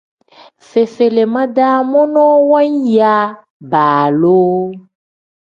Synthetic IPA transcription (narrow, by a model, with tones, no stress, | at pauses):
fe˨fe˨le˨mã˦ɖa˦mɔ̃˦nɔ̃˦wɔ˦ɲ˦ja˨ | ba˨lo˦